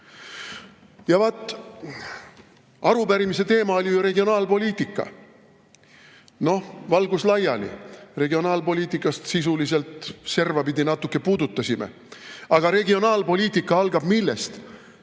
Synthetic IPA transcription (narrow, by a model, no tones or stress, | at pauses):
jɑvɑt̪ːˑ | ɑɾupæɾimise̞t̪e̞ːmɑolʲijuɾe̞ɡio̞nɑːlpo̞lʲiːt̪ˑikːˑɑ̰ | no̞vɑlɡuslɑjɑlḭre̞ɡio̞nɑːlpo̞lʲiːt̪ːˑikːˑɑst̪sisulise̞lt̪se̞rvɑpid̪inɑt̪ːˑukːe̞puːd̪ut̪ːˑɑsimḛ | ɑɡ̥ɑɾe̞ɡio̞nɑːlpo̞lʲiːt̪ʲˑikːˑɑɑlɡ̥ɑb̥milːe̞st̪